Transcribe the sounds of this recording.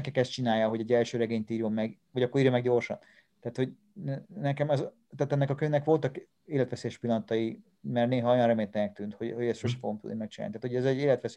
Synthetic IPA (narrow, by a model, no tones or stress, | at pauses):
ɛkɛkɛst̪̚t͡ʃinaːjːɒɦo̞ɟɛɟːɛlʃøːɾɛɡeːɲt̪iːɾjomːɛɡ | ɒɟɒkːoɾiːɾjɒmɛɡɟorʃɒ̰n | t̪aːt̪ho̞ɟ | nɛkɛmɛz | t̪aːt̪ɛnːɛkɒkøɲnɛkʋo̞lt̪ɒk | eːlɛt̪ʋɛseːjɛʃpilːɒnɒt̪ɒji | mɛrneːɦɒojɒnrɛmeːnt̪ɛnɛk̚t̪yːnt̪ho̞ɟhoɟɛst̪ʃoʃɛ̥foɡomt̪ṵd̪nimɛkt͡ʃina̰nit̪aːt̪ʰoɟɛzɛɟeːlɛt̪ʋɛs